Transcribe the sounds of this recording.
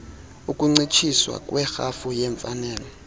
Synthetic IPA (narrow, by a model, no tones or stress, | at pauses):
ukʼuŋ͡ǀit͡ʃʰiswa̰kʼwɛxafujɛɱfanɛːlɔ